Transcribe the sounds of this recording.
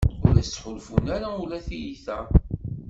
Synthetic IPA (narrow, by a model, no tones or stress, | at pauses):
ʊlæst͡sːħʊlfunæɾæulæθijiθæ